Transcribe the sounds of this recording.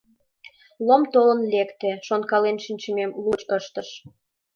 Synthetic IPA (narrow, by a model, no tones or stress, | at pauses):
lomt̪olə̆nlekt̪eʃonkɑlenʃinʲt͡ɕə̆memlut͡ɕəʃt̪ə̆ʃ